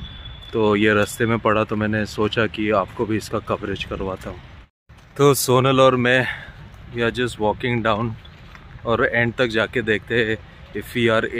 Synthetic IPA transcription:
t̪oːjeɾɐst̪emẽpɐɽ̤at̪omɛ̃ːnesoːt͡ʃakiaːpkobʱiɪskakɐʋɾed͡ʒkɐɾʋaːt̪aɦũː | t̪oːsoːnəlɔːɾmɛ̃ː | jaːɾd͡ʒɐsʈʋɔːkɪ̃ŋɡɖaːʊ̃n | ɔːɾɛ̃ːɳɖ̚t̪ɐk̚d͡ʒaːked̪eːk̚ʰt̪eɦɛ | ɛfiaːɾ

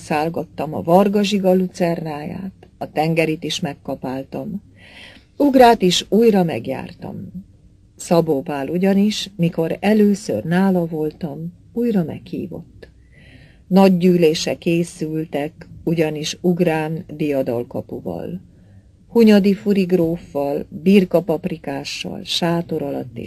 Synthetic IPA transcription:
saːlɡɒt̪ːɒmɒ̰vɒrɡɒʒiɡɒlut̪sɛrnaːja̰ːt̪ɒt̪ɛŋɡɛɾit̪iʃmɛkːɒpaːlt̪ɒm | uɡraːt̪iʃuːjrɒmɛɡja̰ːrt̪ɒ̰m | sɒboːvaːluɟɒniʃmiko̞ɾɛløːsø̰rnaːlɒvo̞lt̪ɒm | uːjrɒmɛ̰khḭːvo̞̰t̪ː | nɒɟːyːleːʃɛkeːsylt̪ɛkuɟɒniʃuɡraːnd̪ijɒd̪ɒlkɒpuvɒ̰l | huɲɒd̪ifuɾiɡroːfːɒlbirkɒpɒprikaːʃːɒ̰lʃaːt̪o̞ɾɒlɒ̰t̪ːḛː

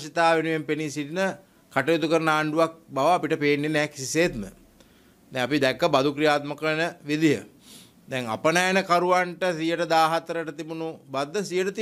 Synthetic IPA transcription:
ʃit̪aːʋenuʋempenisitinə | kaʈɐjot̪ukəɾənəaːɳɖuʋak̚baʋaːpiʈəpeːnːenɛːksiseːt̪mə̰ | d̪ɛŋapid̪ɛkːəbad̪ukɾijaːt̪məkənəʋid̪ijə̰ | d̪ɛŋa̰pənajənəkaɾuʋaɳʈəsijəʈəd̪aːɦat̪əɾəʈət̪ibunubad̪ːəsijəʈət̪i

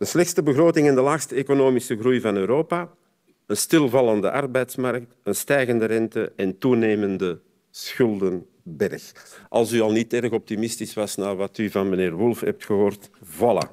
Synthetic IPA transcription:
d̥əslɛxtstəbəɣroːtɪŋɛndəlaːxstəekonoːmisəɣrujvɑnøːɾoːpaː | ənstɪlˠvɑlˠəndə̰ʔɑrbɛjtsmɑɾk̚tənstɛjɣəndəɾɛntəɛntuneːməndə | sxʏlˠdən | bɛrxʔɑ̰lˠsyɑlˠnitɛɾɣɔp̚timɪstisʋɑsnaːrʋɑtyvɑnməneːrwʊlˠfɦɛp̚txəɦoːrtvɑlˠə̰

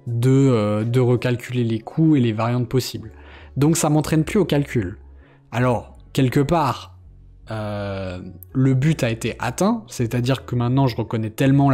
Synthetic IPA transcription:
d̪əød̪əʁəkalkʲʰylelekʰuelevaʁjɑ̃t̪̚pɔsibl | d̪ɔ̃ksamɑ̃t̪χɛnplyokʲalkʲyl | alɔʁ | kʲɛlkəpaːʁ | ø | ləbyt̪aet̪eʔa̰t̪ɛ̃sɛt̪ad̪iʁkəmɛ̃t̪nɑ̃ʒəʁəkɔnɛt̪ɛlmɑ̃

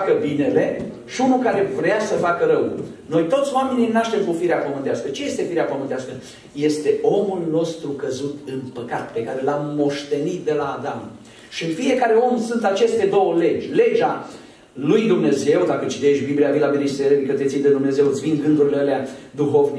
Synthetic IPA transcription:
akəbine̞le̞ | ʃiunulkaɾe̞vɾeasəfakəɾəwno̞jt̪o̞t̪sʲoame̞nijnaʃt̪e̞mkufiɾeapəmɨnt̪easkət͡ʃeje̞st̪e̞fiɾeapəmɨnt̪easkə | je̞st̪e̞ʔo̞mulno̞st̪ɾukəzut̪ɨnpəka̰t̪pe̞kaɾe̞lamːo̞ʃt̪e̞nit̪̚d̪e̞laːd̪am | ʃifije̞kaɾe̞o̞msunt̪at͡ʃe̞st̪e̞d̪o̞wəle̞d͡ʒʲle̞d͡ʒa | lujd̪umne̞ze̞wd̪akət͡ʃit̪e̞ʃbibliavilavinist̪eɾed̪ikət̪et̪sijd̪ed̪umne̞ze̞wɨt̪sʲvinɡɨŋɡuɾileəlead̪uɦo̞vni

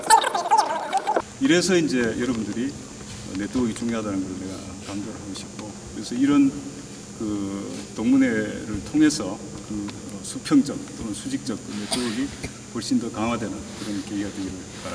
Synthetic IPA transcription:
iɾe̞sʰʌind͡ʑe̞jʌɾʌbundɯɾi | ʌne̞toʌɡit͡ɕuŋoɦadanɯnɡʌɾɯɭne̞ɡa̰ | kamd͡ʑoɾɭɦaɡoɕʰi̥p̚k͈okɯɾe̞sʰʌiɾʌn | kɯtoŋmune̞ɾɯɭtʰoŋɦe̞sʰʌ | kɯ | ʌsʰupʰjʌŋd͡ʑʌk̚k͈ɯɾʌnsʰud͡ʑik̚t͡ɕ͈ʌk̚kɯne̞toʌɡi | wʌɭɕ͈indʌkaŋɦwadwe̞nɯnkɯɾʌnkeiɡadweɡiɾɯɭpaɾ

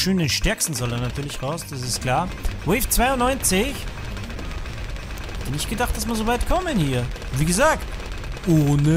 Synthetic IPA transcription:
ʃøːndenʃtɛɐkstn̩zɔldanatʰyːɐlɪçʁaʊsd̥as̬ɪstkʰl̥aːɐvɛɪft͡sv̥aɪʊnɔʏnt͡sɪç | hhɛtənɪçtɡ̥ədaχt̚d̥asmiɐzovaɪtkʰɔmənhiːɐ | viːɡəzaːk̚t | ʔoːnə

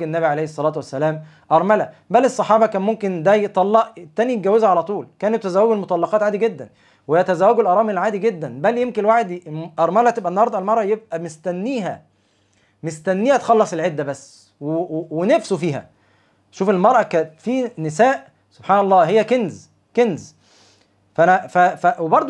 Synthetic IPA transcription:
enːæβiʕalejhesˤːɑlæːt̪wæsːælæːm | ʔɑɾˤmælæ | bælesˤːɑħɑːbɑkæːnmomkend̪æjet̪ˤɑlːɑʔet̪ːæːnijt̪ɡæwezæʕalæt̪ˤuːlkæːnet̪ːæzæwːæɡelmot̪ˤɑlːɑqɑːt̪ʕaːd̪iɡed̪ːæn | weejːæt̪æzæːwːæɡelʔɑɾˤɑːmelʕaːd̪iɡed̪ːænbæljemkelwaħed̪ʔɑɾˤmælæt̪ebʔænːhɑɾˤd̪ˤælmɑɾˤʔɑjeb̚ʔæmest̪ænːiːɦæ̰ | mest̪ænːiːhæt̪xɑlːɑsˤelʕed̪ːæbæsː | wewenæfsofiːhæ̰ | ʃuːfelmɑɾˤʔɑkæːt̪fiːnesæːʔ | sob̥ħɑːnɑlˤːɑːɦejːækenz | kenz | fænæfæfæwebɑɾˤd̪ˤ

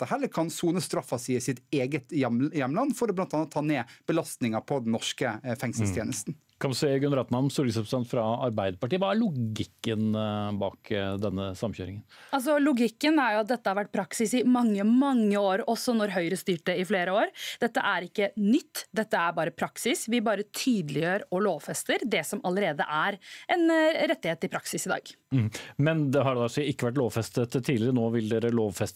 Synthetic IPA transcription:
əhɛlːəɾkʰɑnsuːnəst̪ɾɑfːɑsɪsɪt̪eːɡət̪jjɛmːlɑnːfɔɾdɛblɑnt̪ɑnəɑt̪ʰɑːneːb̥əlɑst̪nɪŋɑɾpʰɔd̪ɛnnɔʂkəfɛŋsəlsʰjeːnəst̪n̩ | kʰɑnʉseːɡʉnɾɑːt̪nɑnn̩sɔɾɡəsɾɛpɾəst̪ɛnt̪fɾɑɑɾbæɪd̪əɾpɑʈiːəʋɑæɭʊɡɪkːənbɑ̰ːkd̪ɛnːəsɑmçø̰ːɾɪŋənɑls̬ɔlʊɡɪkːənæɾjʊɑt̪̚d̪ɛt̪ːəhɑɾʋæʈ̚ːpʰɾɑksɪsɪmɑŋːəmɑŋːəoːɾɔsːɔnɔɾɦœʏɾəst̪yːʈ̚d̪ɛɪfleːɾəoːɾd̪ɛt̪ːə̰ʔæɾɪkːənʏt̪ːd̪ɛt̪ːəæɾbɑːɾəpʰɾɑksɪsʋɪbɑːɾət̪ʰyːd̪əlɪjøːɾɔloːʋfɛst̪əɾd̪ɛsɔmɑləɾeːd̪ə̰ʔæɾʔɛnɾɛt̪ːɪheːt̪ːɪpʰɾɑksɪsɪd̪ɑ̰ːɡ | mɛnd̪ɛɦɑɖɛd̪ɑsiɪkːəʋæʈ̬loːʋfɛst̪ət̪ʰːiːlɪɾənoːʋɪld̪eːɾəloːʋfɛst̪

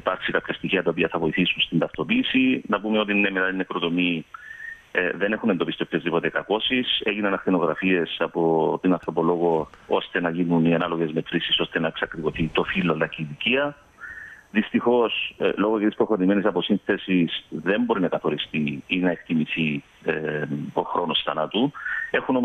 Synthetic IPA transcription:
ipɐɾksikɐpçɐst̪içiɐt̪ɐopiɐθɐvo̞iθisunst̪ind̪ɐft̪o̞piːsinɐpumeo̞t̪̬inːemet̪ɐt̪inːekɾo̞t̪o̞mi | ðe̞ne̞xune̞nd̪o̞pist̪iopço̞zðipo̞t̪ekɐko̞sise̞ʝinɐnɐxθeno̞ɣɾɐfie̞sɐpo̞t̪inɐnθɾo̞po̞lo̞ɣoost̪e̞nɐʝinuniɐnɐloɣezme̞t̪ɾisiso̞st̪e̞nɐeksɐkɾikoθit̪o̞filːolɐcit̪iciɐ | ðist̪ixo̞slo̞ɣocet̪ispɾo̞xo̞ɾime̞nisɐpo̞sinθe̞sisðe̞mbo̞ɾinɐkɐθo̞ɾist̪iinɐe̞kt̪imiθi | eo̞xɾo̞nosθɐ̰nɐt̪ue̞xunom

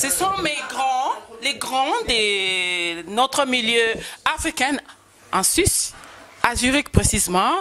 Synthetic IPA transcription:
səsɔ̃meɡʁɑ̃leɡʁɑ̃d̪e | not̪χəmiljøafʁikɛ̃n | ɑ̃sysazyʁik̚pχesizemɑ̃

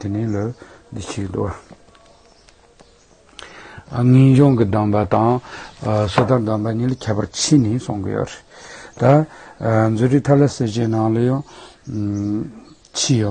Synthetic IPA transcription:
t̪enila | nd̪it͡ɕʰid̪ṵʔa | ŋiʑoŋkəd̪ɑŋpat̪ɑŋ | sʰot̪ad̪ɑnpaɲiːlakʰapa̰rt͡ɕʰinisoŋɡə̰jø̰reʔt̪a | nd͡zøriʔt̪ʰalaseʑenɑŋlajɑŋ | t͡ɕʰiːjo

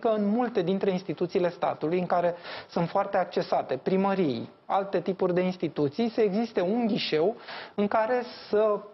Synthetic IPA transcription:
kəɨnmult̪e̞d̪int̪ɾe̞inst̪it̪ut̪sile̞st̪a̰t̪ulujɨŋkaɾe̞sunt̪foart̪e̞ak̚t͡ʃe̞sat̪e̞pɾiməɾij | a̰lt̪e̞t̪ipurʲd̪e̞inst̪it̪ut̪sijsəeɡzist̪e̞unɡʲiʃe̞wɨŋkaɾe̞sə

